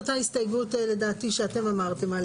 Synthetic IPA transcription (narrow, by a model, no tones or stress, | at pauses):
t̪aist̪ajɡutele̞daːt̪iʃeate̞mamaʁt̪e̞mal